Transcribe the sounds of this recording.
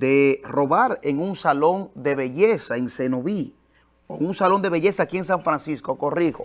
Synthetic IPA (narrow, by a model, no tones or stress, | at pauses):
d̪ero̞βaɾeŋunsalo̞nd̪e̞βe̞ʝesaense̞noβi | oŋunsalo̞nd̪e̞βe̞ʝe̞saːkie̞ŋs̬aɱfɾansiskokorixo